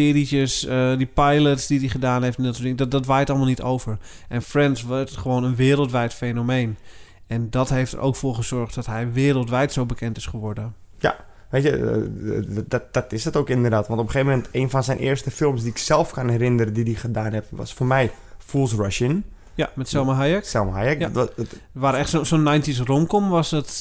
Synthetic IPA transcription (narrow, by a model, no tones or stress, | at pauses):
ɪːritjəsədipajlətsdidiχədaːnɦejftɛndɔtsdɪŋddɔtʋajtɔlˠmalˠnitʰowvər | ʔɛnfrɛntsʋχəʋoːnənʋɪːɾəlˠtʋɛjtfejnomejn | ɛndɔtɦejftə̰ɾʔo̰wkfoːrχəz̥ɔɹχt̚dɔtɦɛjʋɪːɾəlˠtʋɛjtsowbəkʰɛntɪsχəʋɔrdə | ja̰ | ʋeːtjə̰ | dd̥ɔtɪsətoːkɪndərdaːtʋɔ̃ntɔpəxeːvəmɛnteːnfɔnsɛjnʔɪ̰ːrstəfɪlˠms̬diɪksɛlˠfkanɛrɪndəɾədidiχədaːnɦɛp̚ʋɔ̰sfoːrmɛj | fulˠsraʃən | jamɛtsɛlˠməɦajɛksɛlˠməɦajɛk | ʋaːɾɛxtsosonːajntisromkomʋɔsdɔt